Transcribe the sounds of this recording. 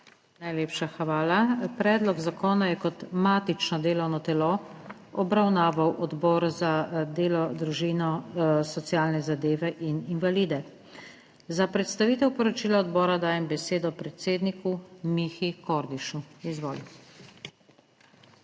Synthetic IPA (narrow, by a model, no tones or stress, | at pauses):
najleːpʃaxʋaːlapɾɛːd̪lɔɡzakɔːnajɛkɔt̪maːt̪it͡ʃnɔd̪eːlɔwnɔt̪ɛlɔ | ɔbɾawnaːʋawʔɔd̪bɔːɾzad̪eːlɔd̪ɾuʒiːnɔsɔt̪sjaːlnɛzad̪eːʋɛʔininʋaliːd̪ɛ | zapɾɛt̪st̪aʋiːt̪ɛwpɔɾɔt͡ʃiːlaɔd̪bɔːɾad̪aːjɛmbɛseːd̪ɔpɾɛt̪seːd̪nikumixikɔɾd̪iʃuizʋoːli